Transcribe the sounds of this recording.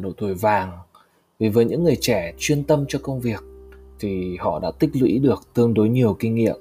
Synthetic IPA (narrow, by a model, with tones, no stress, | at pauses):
ɗo̰˧˨t̪ʰu˧˩əjvaː˨˩ŋ | vi˨˩vəː˨˩˦ɲɨ̰˧˥ŋːɨ˨˩əjt͡ɕɛ˧˩t͡ɕwi˧ənt̪ə˧mt͡ɕɔ˧kə˧wŋ͡mvi˨˩ək̚t̪ʰi˨˩hɔ̰˧˨ɗa̰ː˧˥t̪ï˦˥k̚lwḭ˧˥ɗɨ˨˩ək̚t̪ɨ˧əŋɗo˨˦jɲi˨˩əwkï˧ŋ̟ŋḭ˧˨əm